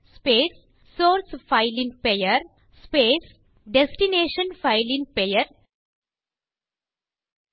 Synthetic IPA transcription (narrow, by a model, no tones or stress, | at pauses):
speːsː | oːɾsfaɪlĩnpejəɾ | speːs | ɖesʈineːʃə̃nfaɪlĩnpejəɾ